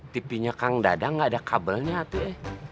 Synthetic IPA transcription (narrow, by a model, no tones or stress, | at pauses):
t̪ipiɲakaŋda̰daŋɡaːdakʰabəlɲaːt̪uɛh